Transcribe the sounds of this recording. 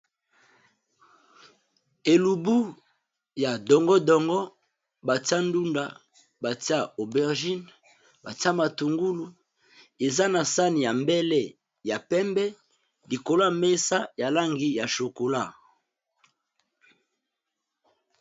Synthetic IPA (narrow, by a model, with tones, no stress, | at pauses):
e˨lu˨bu˦ | ja˨dɔ˨ŋɡɔ˦dɔ˨ŋɡɔ˦ | ba˨ta˦ndu˦nda˨ | ba˨ti˦a˦o˨bɛ˨ʁʒi˦n | ba˨ti˦a˦ma˨tu˨ŋɡu˦lu˨ | e˨za˦na˨sa˦ni˨ja˨mbɛ˦lɛ˦ | ja˨pɛ˦mbɛ˦ | li˨ko˨la˦˨me˦sa˦ja˨la˦ŋɡi˦ja˨ʃo˨ko˨la˦